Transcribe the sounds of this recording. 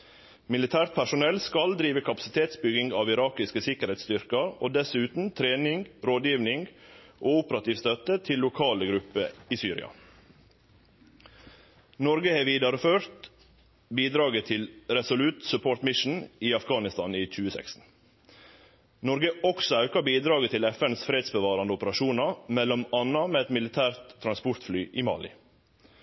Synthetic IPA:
mɪlɪt̪ʰæːɾt̪̚pʰæʂʊnɛlskɑld̪ɾiːʋəkʰɑpɑ̥sɪt̪ʰeːt̪sbʏɡɪŋɡɑːʋɪɾɑːkɪskəsɪkəɾhɛt̪st̪ʏɾkəɾoːd̪ɛsʉːt̪n̩t̪ʰɾeːnɪŋɡɾoːd̪jiːʋnɪŋɡʔoːʊpəɾɑt̪iːʋst̪œt̪ət̪ʰɪlːʊkʰɑːləɡɾʉpːə̰iːsyːɾɪ̰ɑ̰ | nɔɾɡəheːʋiːd̪ɑɾəføːɾt̪ | biːd̪ɾɑːɡət̪ʰɪlɾɛsʊlʉt̪sʉpʰoːɾʈ̪mɪʃn̩iːɑfɡɑːnɪst̪ɑniːc͡çʉːəsɛ̰kst̪n̩ | nɔɾɡəɔksɔɑʉkɑbiːd̪ɾɑːɡət̪ʰɪlɛfɛnsfɾeːd̪sbəʋɑːɾɑnd̪ʊpəɾɑʃuːnɑmɛlɔmɑnːɑmeːɛt̪mɪlɪt̪ʰæːɾt̪ʰːɾɑnspʊɾt̪flyːʔiːmɑ̰ːlɪ̰

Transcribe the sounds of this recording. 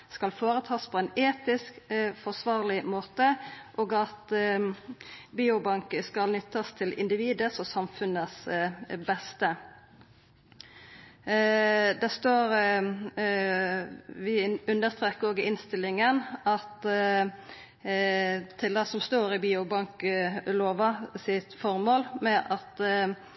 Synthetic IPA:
skɑlfoːɾət̪ʰɑːspʰɔɛɪneːt̪ɪskfɔsʋɑːʁlɪmoːt̪əʔoːɡɑt̪ | biːʊbɑŋkəskɑlnʏt̪ːɑst̪ʰɪlɪ̰nd̪ɪʋiːd̪əsɔsɑmfʉnəsbɛst̪ə | d̪æst̪oːɾ | ʋɪʉnd̪əst̪ɾeːkːəɾoːɡəɪnst̪ɪlːɪŋənɑt̪ | t̪ʰɪlɑsɔmst̪oːɾɪbiːʊbɑŋkloːʋɑsɪt̪fɔɾmoːlmɛʔɑt̪

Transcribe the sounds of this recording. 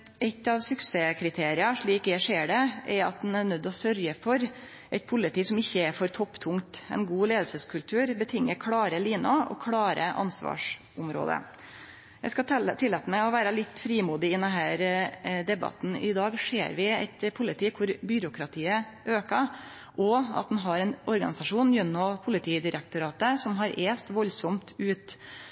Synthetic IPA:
ɛt̪ːɑʋsʉkseːkʰɾɪt̪ʰeːɾɪɑʂɭiːkjæɪʂeːɖɛʔɛɾɑ̰t̪̚d̪ɛnænœd̪ːɔsœɾjəfɔɾ | ʔɛɪt̪̚pʰʊlːɪt̪iːsɔmɪçːəæɾfɔɾt̪ʰɔpːt̪ʰʊŋt̪ɛ̰ɪnɡuːleːd̪lsəskʰʉlt̪ʰʉːɾbət̪ʰɪŋːəkʰɽɑːɾəliːnʊɔ̰kʰɽɑːɾə̰ʔɑ̰nsʋɑ̰ːʂ | ʊmɾo̰ːd̪ə̰ | jæ̰ɪskɑt̪ʰɪlɛːt̪əmɛɪɔʋæːɾɑlɪt̪ːfɾiːmuːd̪ɪɪd̪ɛnɦæːɾd̪ɛbɑ̰t̪n̩ɪd̪ɑːɡʂeːɾʋɪæ̰ɪt̪pʰʊlɪt̪ʰiːkʰʊɾbʏɾʊkɾɑt̪ʰiːə | ʔøːkɑ | ʔɔɑ̰t̪̚d̪nɦɑɾɛnʔɔɾɡɑ̰nɪsɑʂuːnjɛnːɔpʰʊlɪt̪ʰiːd̪ɪɾɛk̚t̪ʊɾɑːt̪əsɔmɦɑɾʔeːst̪ʋɔlːsɔmt̪ʉːt̪

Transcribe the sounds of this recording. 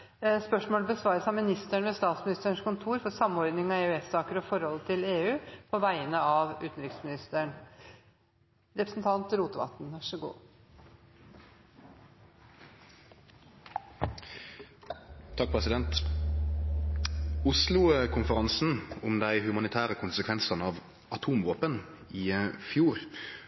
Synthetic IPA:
spœʂmoːləbəsʋɑːɾəsæɑmɪnɪst̪əɳʋɛst̪ɑːt̪smɪnɪst̪əɳʂkʊnt̪ʰuːɾfɔɾsɑmːɔɾd̪nɪŋɑæʉɛsːɑːkəɾɔfɔɾhɔlːət̪ʰɪleːʉːpʰɔʋæɪənəɑʋʉːt̪nɾɪksmɪnɪst̪əɳ | ɾɛpɾəsnt̪ʰɑnt̪ɾuːt̪əʋɑ̰t̪nʋæʂəɡṵː | t̪ʰɑk̚pʰʁɛsɪd̪ɛnt̪ | ʊslʊkʰʊnfəʁɑnsn̩ʊmd̪æɪhʉmɑnɪt̪ʰæːʁəkʰʊnsəkʰʋɛnsɑnəɑːʋ | ɑt̪ʰuːmʋoːpən | iːfjuːɾ

